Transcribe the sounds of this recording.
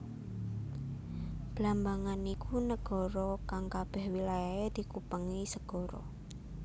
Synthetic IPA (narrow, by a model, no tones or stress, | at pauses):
b̥lambaŋanikʰunəɡ̥ɔ̤ɾɔkaŋkab̥ɛhwilajaed̪̥i̤kupəŋisəɡ̥ɔ̤ɾɔ̰